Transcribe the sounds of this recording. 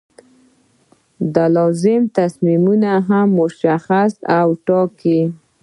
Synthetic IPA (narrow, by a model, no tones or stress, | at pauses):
d̪əlɑzɪmt̪asmimunaɦamːʊʃaxasawʈɑki